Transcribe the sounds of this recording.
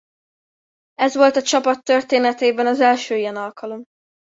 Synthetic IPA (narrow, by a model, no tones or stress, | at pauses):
ɛzʋo̞lt̪ɒt͡ʃɒpɒt̪ːørt̪eːnɛt̪eːbɛnɒzɛlʃøːijɛnɒlkʰɒlo̞m